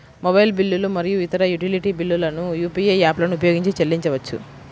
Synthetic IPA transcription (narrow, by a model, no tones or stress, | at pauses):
mɔbɐjlbilːulumɐɾijuit̪ɐɾɐjuʈiliʈibilːulɐnujuːpieaːplɐnupɐjoːɡiɲt͡ʃit͡ʃelːiɲt͡ʃɐʋɐt͡ʃːṵ